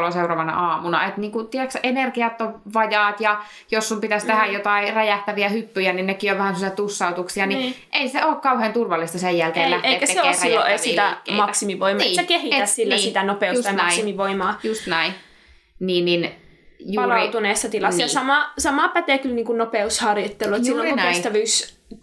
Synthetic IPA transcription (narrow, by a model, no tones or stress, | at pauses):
loseurɑʋɑnɑ̰ʔɑːmunɑ̰et̪niːŋkut̪iɛksenerkiɑt̪ːoʋʋɑjɑːt̪jɑ | josːumpit̪æst̪ehæjjot̪ɑiræjæht̪æʋiæhypːyjæninnekːioʋʋæhænsemosiɑt̪usːɑut̪uksiɑniʔeˑiseoːkkɑuheːnt̪urʋɑlːˑist̪ɑsejjælkeːllæhteːtkæseseoeːsræijːoʔeit̪æikːmɑæksimiʋoimɑnːsekehieæssilːæsːit̪ænopeujsusɑɑnɑæiimiʋoimɑːjust̪næi | niːnnin | jupɑːlɑiut̪uneːsːɑt̪ilɑsnjɑsɑmɑsɑmɑːpæt̪eːkylniːŋkunnopeushɑrjot̪ːelːuet̪silːõŋknæist̪æʋyːs